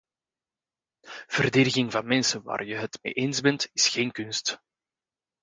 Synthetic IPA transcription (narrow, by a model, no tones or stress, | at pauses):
v̥ərdeːdɪɣɪŋvɑnmɛnsənwa̰ːrjəɦətmḛːʔeːnzbɛntɪsxeːnkʏnst